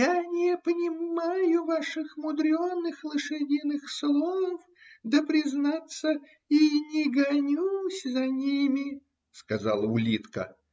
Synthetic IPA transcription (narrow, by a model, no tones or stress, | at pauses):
janʲɪpənʲɪmajʊvaʂɨxmʊd̪ɾʲonːɨxlˠɨʂɨdʲinɨxslˠof | d̪əpɾʲɪznat̪sə | inʲɪɡɐnʲusʲzɐnʲimʲɪ | skaza̰lˠəʊlʲit̪kə̰